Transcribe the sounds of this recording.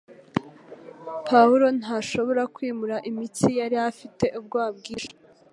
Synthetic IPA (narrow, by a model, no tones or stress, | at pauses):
pʰawuɾo̞n̥haːʃo̞βo̞ɾakwiːmuɾaʔimitijaɾiafite̞ʔub̚ɡwaːb̚ɡiːʃḁ